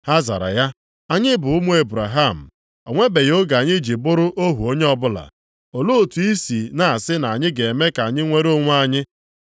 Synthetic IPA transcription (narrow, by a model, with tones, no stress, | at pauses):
ha˦za̰˨ɾa̰˨ja˦ | a˨ɲɪ˦bʊ˨ʊ˦mu˦e˨bɾa˨ɦa˦˨m̩˨ | o˨ŋʷe˦be˨jo˦ɡa˨a˨ɲɪ˦d͡ʒi˨bʊ˦ɾʊ˦ʔo˦ɦu˨o˦ɲe˦ɔ˦bʊ˦la̰˨ | o˨lo˦o˨tu˨i˦si˨na˨a˨sɪ˦na˨ɲɪ˦ɡe˨e˨me˦ka˨a˨ɲɪ˦ŋʷe˦ɾo˦ŋʷ˦a˦˨ɲɪ˦